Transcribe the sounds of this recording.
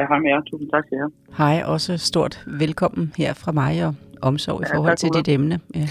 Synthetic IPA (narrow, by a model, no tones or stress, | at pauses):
ɦɑmæt͡sʰṵːsn̩t͡sʰɑ̈ɡ̥̚seɐ | hɑ̈ɪ̰ʔɒ̽səsd̥o̝ɐ̰d̥ʋelkʰɒ̽m̰n̩heɐ̰fʁɑ̈mɑ̈ɪɒ̽ʔɒ̽msɒʊ̰ifɒːhɒ̽l̰t͡sʰe̝de̝d̥emnəjæ